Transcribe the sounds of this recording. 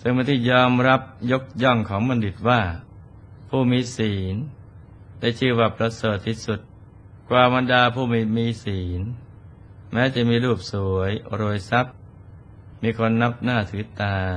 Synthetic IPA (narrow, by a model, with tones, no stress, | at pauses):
sɯ˥˩ŋma˧˨t̪ʰiː˥˩jɔː˧mɾa˦˥p̚jo˦˥k̚jɔ˥˩ŋkʰɔː˩˦ŋma˧ndi˨˩t̪̚waː˥˩ | pʰuː˥˩miː˧siː˩˦n | daː˥˩jt͡ɕʰɯː˧˩wa˨˩p̚ɾa˧sɤː˨˩t̪ʰːi˦˥˩su˨˩t̪̚ | kwaː˨˩ba˧ndaː˧pʰuː˥˩miː˧˩miː˧˥siː˩˦n | mɛː˦˥t͡ɕa˨˩miː˧ɾuː˥˩p̚su˩˦əjɾoː˧˩jsa˦˥p̚ | miː˧kʰo˧nːa˦˥p̚naː˥˩t̪ʰɯː˩˦t̪aː˧